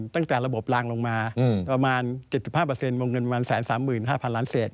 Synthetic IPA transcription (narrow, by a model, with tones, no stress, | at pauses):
t̪a˥˩ŋt̪ɛː˨˩ɾa˧bo˨˩p̚laː˧ŋlo˧ŋmaː˧pɾa˧maː˧nt͡ɕe˨˩t̪̚si˨˩p̚haː˥˩pɤː˧se˧nwoː˧ŋɤ˧npa˧maː˧nsɛː˩˦nsaː˩˦mːɯː˨˩nɦaː˥˩pʰa˧nlaː˦˥nseː˨˩t̪̚